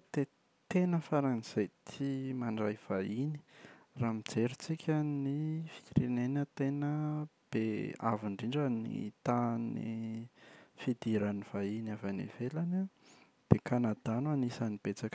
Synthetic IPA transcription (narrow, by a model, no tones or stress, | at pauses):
d̪̥e | t̪enəfaɾaniz̥ejt̪ʰimaɳɖ͡ʐajv̥aini̥raːmid͡zeɾit͡sikʲʰanifi̥kʲiɾenenət̪enə | b̥ea̰viɳɖ͡ʐiɳɖ͡ʐanḭt̪anḭ | fid̪iɾaniv̥ainavanḭvelana | b̪̥ekanad̪ananisanib̥et͡sak